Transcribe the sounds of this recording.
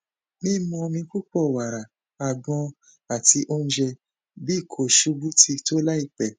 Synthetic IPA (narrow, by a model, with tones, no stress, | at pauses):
mĩ˦mɔ̃˧mĩ˧ku˦k͡pɔ˦˨wa˨ɾa˨ | a˨ɡ͡bɔ̃˧ | a˨ti˧ʔo˦n̩˦d͡ʒɛ˧ | bi˦˨kʰo˨ʃu˧˦bu˦ti˧to˦la˦i˦˨k͡pɛ˨